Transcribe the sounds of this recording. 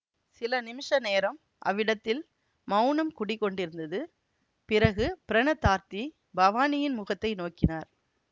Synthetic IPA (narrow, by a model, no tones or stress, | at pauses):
sɪlɐnɪmɪʂɐneːɾɐm | ʔɐ̰ʋːɪɽɐt̪ːɪl | mɐʊnɐmkʊɽɪkːɔɳɖɪɾɯnd̪ɐðɯ | pɪɾɐɣɯpɪɾɐɳɐt̪ːaːɾt̪i | bɐʋaːnɪjɪnmʊɣɐt̪ːɐɪnoːkːɪnaːɾ